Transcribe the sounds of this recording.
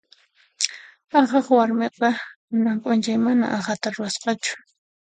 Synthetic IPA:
ɑχɑχwaɾmeqɑ | naŋkʼʊnt͡ʃajmana̰ʔɑχat̪aɾʊɾasqɑt͡ʃʊ̥

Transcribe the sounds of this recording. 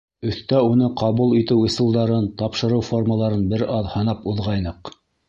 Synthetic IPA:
ɵ̆θt̪æunɤqɑβulˠit̪ɘwɤ̆sɤ̆lˠd̪ɑɾɤnt̪ɑpʃɤ̆ɾɤwforməlˠɑɾɤnbɘɾɑðhɤ̆nɑpuðʁɑjnɤq

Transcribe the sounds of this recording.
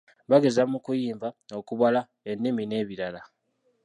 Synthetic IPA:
βaɡe̞zamukujiːmvao̞kuβala | e̞nːimine̞ːβiɾala

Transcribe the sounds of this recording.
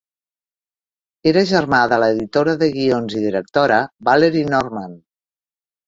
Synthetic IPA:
eɾəʒəɾmaðələːðit̪oɾəðəɣionziðiɾək̚t̪oɾəβaleɾinɔɾman

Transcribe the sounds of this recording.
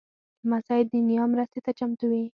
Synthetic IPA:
masɑjɪd̪ːənijɑmɾəst̪et̪at͡ʃamt̪uwi

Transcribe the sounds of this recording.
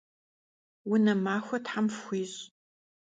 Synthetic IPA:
wʊnɐmaːxʷɐtħamfxʷiːz

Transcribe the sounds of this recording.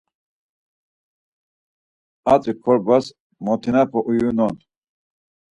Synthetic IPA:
at͡sʼikʰɔɾbɐs | mot̪ʰinapʰoʔujunont̪

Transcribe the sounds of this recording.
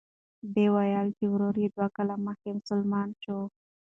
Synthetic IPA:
bewajɑlk̪iwɾoɾed̪wakalaməxkemʊsʊlmɑnt͡ʃo

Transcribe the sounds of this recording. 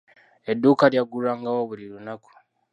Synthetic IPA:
edukaljaɡuɾaŋɡawoβulilunaku̥

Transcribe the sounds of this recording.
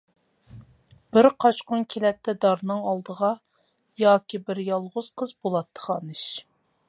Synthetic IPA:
b̥ɪɾqʰɑt͡ʃqʊnkʲʰelɛp̚t̪ʰːɛd̪ɑɾnɨŋɑlˠd̪əʁɑ | jɑːkʲibɪɾjɑlˠʁʊz̥qʰəzbolˠɑt̪ʰːə̥χɑnɨʃ

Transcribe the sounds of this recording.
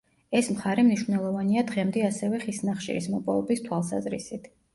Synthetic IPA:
ɛsmχaɾɛmniʃvnɛlˠɔvaniad̪ʁɛmd̪ɛasɛvɛχisnaχʃḭɾḭsmɔpʼɔɛbist̪ʰwalˠsa̰zɾḭsit̪ʰ

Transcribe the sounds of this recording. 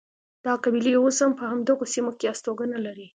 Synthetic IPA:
d̪̥ɑqabileoshampəhamd̪əɣosimokeast̪oɡənalaɾi

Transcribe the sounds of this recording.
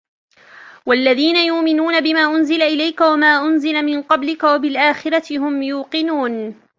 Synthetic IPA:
walːaðiːnajʊʔmɪnuːnabɪmaːʔʊnzɪlaʔɪlajkawamaːʔʊnzɪlamɪnqɑblɪkawabɪlʔaːxɪɾɑt̪ɪhʊmjuːqɨnuːn

